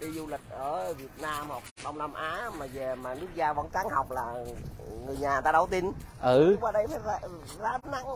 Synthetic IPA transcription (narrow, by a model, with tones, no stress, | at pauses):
ɗi˧zu˧lï˨˩k̟̚ʔəː˧˩vi˨˩ət̚naː˧mhɔ˨˩k̚ɗɔ˧wŋ͡mna˧mʔaː˨˦maː˨˩ve˨˩maː˨˩nɨ˦˥ək̚zaː˧və˧˦nt͡ɕaː˨˦ŋha˨˩wk͡p̚laː˨˩ŋɨ˨˩əjɲaː˨˩˨t̪aː˧ɗə˨˧˩wt̪i˧nʔɨ˧˩waː˧˩ɗə˧jfaː˨˦jza˧ | zaː˨˦na̰˧˨ŋ